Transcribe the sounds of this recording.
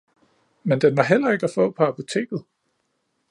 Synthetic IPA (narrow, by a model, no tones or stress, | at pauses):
mend̥enʋɑ̈ɦel̰ɐe̝ɡ̥æfɔ̰̽ːpʰɒ̽æpʰo̝t͡sʰe̝̰ːɡ̥ð̞̩ˠ